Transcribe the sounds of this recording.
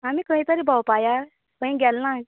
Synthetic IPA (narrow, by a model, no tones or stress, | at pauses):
amikə̃ɦĩt̪əɾibʱawpaja | kə̃ɦĩɡɛlːã